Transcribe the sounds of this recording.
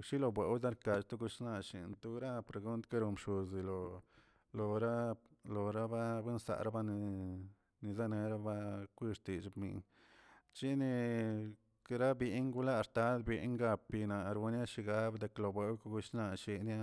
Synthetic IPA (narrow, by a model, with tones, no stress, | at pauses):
ʃi˦lo˧bwe˨wz̬a˦ɾka˨t͡ʃt̪u˦ɡu˧ʂna˧ʃḭ˨nt̪u˦ɾa˦pɾe˨ɡu˦nt̪ke˦ɾo˧mʃu˨zi˨lo˨ | lo˨ɾa˦lo˨ɾa˦ba˦bʷe˦nsa̰˨ɾa˦ba˦ni˧ | ni˧za˦ne˧ɾa˦ba˦kʷi˦ʂt̪i˨t͡ʃbmḭ˧˨n | t͡ʃi˦ni˧ | kɾa˦bi˧ŋɡu˦la˦˧ɾt̪a˦d̪bi˧˦ŋɡa˧pi˧na˨ɾu˧nja˦ʃi˧ɡa˦bd̪e˧klo˧˨bwe˧˦wka˦ɡu˧ʂna˧ʃi˧nja˦